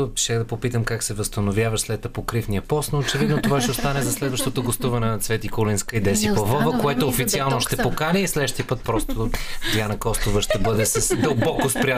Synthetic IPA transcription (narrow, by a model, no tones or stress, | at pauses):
o̥ʃɛxd̪ɐpopit̪əmkaksɛvəst̪ɐnovjavəʃslɛt̪ɐpokɾifniəpɔsnoːt͡ʃɛvid̪not̪ovaʃɛost̪anɛzɐslɛd̪vəʃt̪ot̪oɡost̪uvɐnɛnɐt̪svɛt̪ikolinskəid̪ɛsipɐvɔvəkoɛt̪oːfit̪sialˠnoʃt̪ɛpokanɛislɛʃt̪ipɤt̪̚pɾɔst̪od̪ʲjanɐkɔst̪ovəʃt̪ɛbɤd̪ɛsəsd̪əlˠbɔkospɾʲia